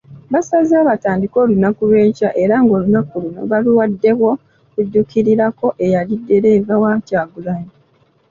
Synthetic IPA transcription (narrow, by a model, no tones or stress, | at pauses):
βasaziaːβataːndiko̞lunakuβe̞ːcaʔe̞ɾaŋɡo̞lunakuluno̞̰βaluwadːe̞βwo̞ | kudːukiɾiɾako̞ʔe̞jalidːe̞ɾe̞ːvawacaːɡulaji